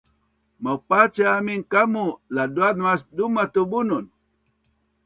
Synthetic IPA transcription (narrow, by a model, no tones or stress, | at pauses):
mawpat͡ʃaaminkamuladuanuasdumat̪ubunun